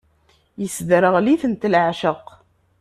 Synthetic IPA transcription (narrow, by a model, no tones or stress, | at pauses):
jəsðɾəʁliθənt̪lʕʃəq